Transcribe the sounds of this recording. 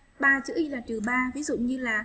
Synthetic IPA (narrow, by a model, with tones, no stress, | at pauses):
ɓaː˨˩t͡ɕɨ̰˧˥ʔi˧laː˨˩t̪i˨˩əwɓaː˧vi˨˦˥zʊ̰˧˨ɲɨ˧laː˨˩